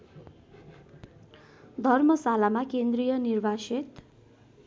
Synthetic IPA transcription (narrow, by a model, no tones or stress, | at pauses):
d̪ʱʌrmʌsalamakend̪rijʌnirbʱaset̪